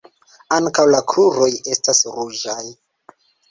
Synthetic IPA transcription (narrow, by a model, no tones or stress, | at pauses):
aŋkawlakɾuɾo̞je̞stasɾud͡ʒaj